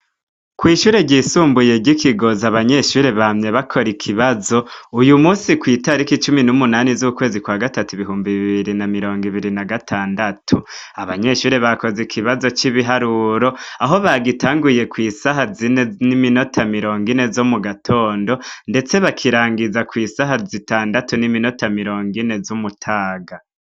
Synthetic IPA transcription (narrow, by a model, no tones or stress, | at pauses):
kwiːʃuːɾe̞ɟiːsuːmbuje̞ɟikʰiɡo̞zaβaɲe̞ʃuːɾe̞βamɲe̞βakʰo̞ɾikʰiβazo̞ujumuːsikwiːtaɾikit͡ʃuminumunaːnizukwe̞ːzikwaːɡatatuiβiɦuːmbiβiβiɾinamiɾo̞ːŋɡiβiɾinaɡatʰaːndatʰu | aβaɲe̞ʃuːɾeβako̞zekʰiβazo̞t͡ʃiβiɦaɾuːɾo̞aɦo̞βaɡitaːŋɡuje̞kwiːsaɦazinenimino̞tʰamiɾo̞ːŋɡine̞zo̞muɡatʰo̞ːndo̞nde̞t͡se̞βakʰiɾaːŋɡizakwiːsaɦazitaːndatunimino̞tamiɾo̞ːŋɡine̞zumutʰaːɡa